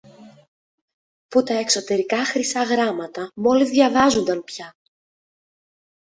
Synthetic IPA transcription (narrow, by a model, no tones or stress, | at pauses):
put̪ɐe̞kso̞t̪e̞ɾikɐxɾisɐɣɾɐmɐt̪ɐmo̞lizðʝɐvɐzund̪ɐnpçɐ